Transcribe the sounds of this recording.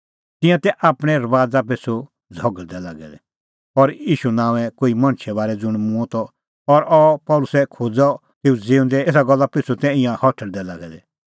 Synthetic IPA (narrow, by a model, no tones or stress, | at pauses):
t̪ɪ̃jãt̪ɛʔaːpɽ̃ɛ̃ɾɐʋaːd͡zap̬et͡sʰo | d͡zʱɔɡəɭd̪ɛlaːɡɛ̰d̪ɛ | ɔɾiːʃunãːʋɛ̃koːimɐ̃ñʃʰɛbaːɾɛd͡zʊɽ̃m̃ũt̪ɔ | ɔɾɔpɔlʊsɛkʰoːd͡zɔ | t̪eːud͡zeːʊ̃nd̪ɛeːsaɡɔlːapɪt͡sʰut̪ɛ̃ɪ̃jãhɔʈʰəɽd̪ɛlaːɡɛd̪ɛ